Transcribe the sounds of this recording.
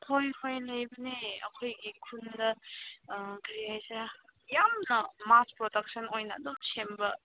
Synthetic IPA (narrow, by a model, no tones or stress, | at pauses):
tʰojhʰojlɐjbɐneɐ̰kʰojɡikʰundɐ | ɡɐɾiajseɾajamnɐmaspɾodɐk̚sʰɐnojnɐ̰ːdomsʰembɐ